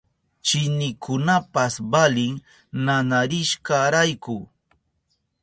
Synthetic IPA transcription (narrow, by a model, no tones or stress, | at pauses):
t͡ʃɪnɪkʰʊnapasbalɪŋ | nanaɾɪʃkaɾajkʊ